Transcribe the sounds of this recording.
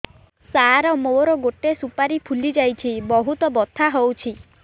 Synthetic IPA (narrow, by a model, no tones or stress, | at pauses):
saɾɔmoɾɔɡoʈesupaɾipʰulid͡ʒajt͡ʃʰibɔɦut̪ɔbɔt̪ʰaɦowt͡ʃʰi